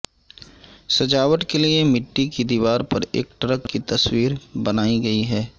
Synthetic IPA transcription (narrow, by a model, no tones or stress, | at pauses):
sɐd͡ʒaːʋəʈkeliemɪʈːikid̪iːʋaːɾpɐɾḛːk̚ʈɾəkːit̪ɐswiːɾbɐnaːiɡɐiɦɛː